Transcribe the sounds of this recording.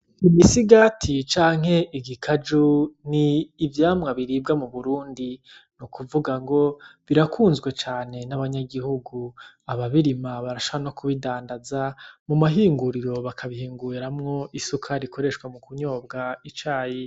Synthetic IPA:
imisiɡaːtʰit͡ʃaːŋhe̞ʔiɡikʰad͡ʒuniːvjaːmŋaβiɾiːb̚ɡamuβuɾuːndi | nukuvuɡaŋɡo̞βiɾakʰuːnzɡwe̞t͡ʃaːne̞naβaɲaɡihuɡu | aβaβiɾimaβaɾaʃoano̞kʰuβidaːndazamumaɦiːŋɡuɾiɾo̞βakʰaβihiːŋɡuɾamŋo̞ʔisukʰaɾiko̞ɾe̞ʃkwamukuɲo̞ːb̚ɡait͡ʃaːji

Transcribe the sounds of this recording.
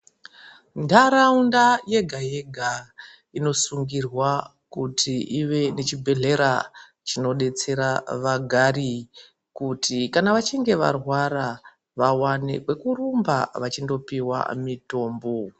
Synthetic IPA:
ndaɾaundaje̞ɡʱaje̞ɡʱa | ino̞suŋɡirwa | kutʰiiʋe̞ne̞t͡ʃibʱe̞ɮe̞ɾa | t͡ʃino̞ɗe̞t͡se̞ɾaʋaɡʱaɾi | kutʰikanaʋat͡ʃiŋɡe̞ʋa̰rwaɾa | ʋawane̞̰kwe̞kurumbaʋat͡ʃindo̞piwa̰mito̞ːmbo̞

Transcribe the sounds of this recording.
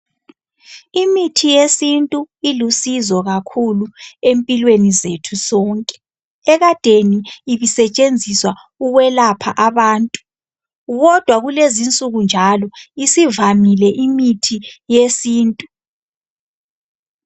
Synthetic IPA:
imitʰijesintʼuilusizɔɣakʰuluempʼilwenizetʰusɔːŋkʼɛ̥ | ɛɣad̥ʱeniːβisɛt͡ʃʼend͡zʱiswa | uɣwɛlapʰaʔaβaːntʼu | ɣɔd̥ʱwaɣulezint͡sʼuɣund͡ʒʱalɔisivamilɛʔimitʰijesiːntʼu

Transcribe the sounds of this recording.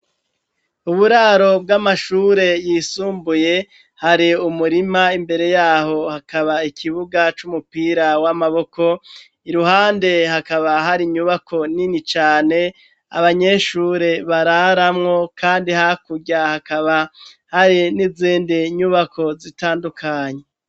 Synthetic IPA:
uβuɾaːɾo̞bɡamaʃuːɾe̞jiːsuːmbuje̞ | haɾiumuɾimaimbe̞ɾe̞jaːho̞hakʰaβaikʰiβuɡat͡ʃumupiːɾawamaβo̞kʰo̞ | iɾuhaːnde̞hakaβaɦaɾiɲuβakʰo̞ninit͡ʃaːne̞ | a̰βaɲe̞ʃuːɾe̞βaɾaɾamŋo̞kʰaːndihakuɟahakaβa | haɾiniziːndiɲuβakʰo̞zitaːndukʰaːɲe̞

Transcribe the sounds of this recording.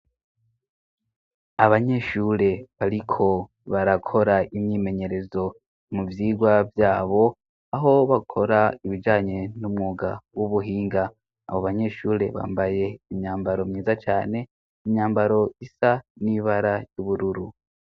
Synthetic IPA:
aβaɲe̞ʃuːɾe̞βaɾikʰo̞ | βaɾakʰo̞ɾaimɲiːme̞ɲe̞ɾe̞zo̞ | muvjiːɡwavjaːβo̞ | aɦo̞βakʰo̞ɾaiβid͡ʒaːɲe̞numŋuɡawuβuɦiːŋɡa̰ː | βoβaɲe̞ʃuːɾe̞βa̰ːmbaje̞imɲaːmbaɾo̞mɲiːzat͡ʃaːne̞ | imɲaːmbaɾo̞isaniβaɾajuβuɾuɾu

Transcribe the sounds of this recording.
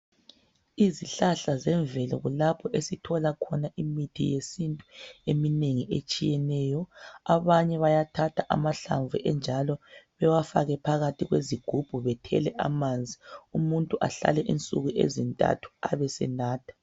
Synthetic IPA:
iziɬaɬazɛɱvɛlɔ̰ɣulapʰɔʔesitʰɔlakʰɔnaimitʰḭjesintʼuemineŋiʔḛt͡ʃʼijɛnɛːjɔaβaɲɛβajatʰatʰaʔa̰maɬa̰ɱvuʔɛnd͡ʒʱalɔβɛwafa̰ɣɛpʰaɣatʰiɣweziɡ̥ʱub̥ʱuβɛtʰɛ̰lɛʔa̰mand͡zʱiumuntʼuʔa̰ɬa̰lɛʔḭnt͡sʼuɣuʔḛzintʼa̰tʰu̥a̰βɛsɛ̰naːtʰḁ

